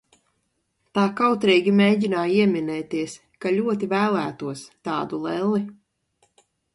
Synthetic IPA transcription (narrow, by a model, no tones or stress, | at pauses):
t̪aːkawt̪ɾɛːɡʲimeːɟinaːjiɛmʲinɛːt̪iɛs | kaʎʲuɔt̪̬ivæːlˠæːt̪uɔst̪ɑːd̪ulˠɛlˠi